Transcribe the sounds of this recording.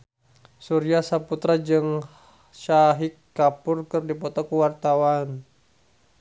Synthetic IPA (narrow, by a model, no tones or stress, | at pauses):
suɾiasaput̪ɾad͡ʒɨŋ | ʃaɦikːapurkɨrdipɔt̪ɔkuwart̪awan